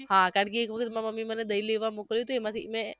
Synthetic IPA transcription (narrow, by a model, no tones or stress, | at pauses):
ɦãkaɽk̬iːkʋəkʰət̪mãməmːiməned̪əileʋamokəljũt̪oemãt̪ʰḭmẽ